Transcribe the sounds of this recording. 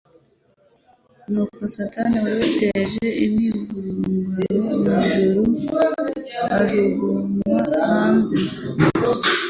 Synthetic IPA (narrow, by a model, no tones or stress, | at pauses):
nuːkosataniwaβeteʒe̞imivuɾuumuziɾemiʒuɾu | aʒuɡumwahaːnze